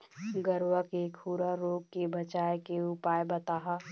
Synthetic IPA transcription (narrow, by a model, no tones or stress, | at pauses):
ɡəɾwakekʰuːɾaɾoːɡ̚kebət͡ʃaːjkeʊpaːjbət̪aɦa